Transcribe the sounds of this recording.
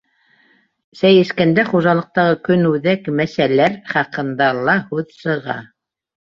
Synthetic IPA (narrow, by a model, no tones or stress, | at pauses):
sæjɘ̆ʃkænd̪æχuʒɑlˠɤ̆q̚t̪ɑʁɤkɵnʉðækmæsælæɾχɑqɤ̆nd̪ɑlˠɑhʉðsɤ̆ʁɑ̰